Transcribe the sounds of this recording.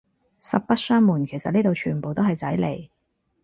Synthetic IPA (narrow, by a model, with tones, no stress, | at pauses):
sɐ˨p̚pɐ˥t̚sœː˥ŋmuː˨˩nkʰe˨˩jsɐ˨t̚niː˥t̪o˨˧wt͡ʃʰyː˨˩npo˨wt̪o˥wɦɐ˨jt͡sɐ˨˥jlḛ˨˩j